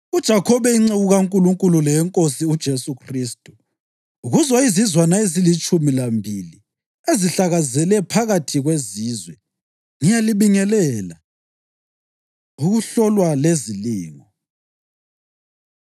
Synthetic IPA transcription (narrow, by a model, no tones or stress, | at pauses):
ud̥ʒ̥ʱakʰɔβɛiŋ͡ǀeɣuɣaŋkʼuluŋkʼululɛjɛŋkʼosiud̥ʒ̥ʱesukʰristʼu̥ | uɣuzwaizizwanaezilit͡ʃʼumilambʱili | eziɬaɣazɛlɛpʰaɣatʰiɣweziːzwɛ | ŋijaliβiŋɛlɛla | uɣuɬɔlwaleziliːŋɔ